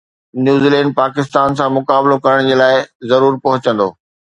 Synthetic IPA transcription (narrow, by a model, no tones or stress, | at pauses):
njuːziːlɛ̃ːɳɖ̚paːkɪst̪aːnsãmʊkaːblokɐɾəɽ̃d͡ʑeːlaːɪzɐɾuːɾpɐɦʊt͡ɕə̃nd̪oː